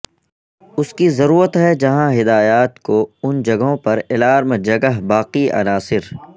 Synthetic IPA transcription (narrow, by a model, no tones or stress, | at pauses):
ʊskizɐɾuːɾət̪ɦɛd͡ʒɐɦãɦɪd̪aːjaːt̪koʊnd͡ʒɐɡɦõpɐɾɪlaːɾmd͡ʒɐɡəɦbaːqiʔɐ̰naːsɪɾ